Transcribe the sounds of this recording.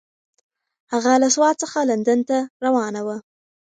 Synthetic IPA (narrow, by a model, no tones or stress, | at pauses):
haɣalaswɑt̪̚səxaland̪ənt̪aɾawɑnawə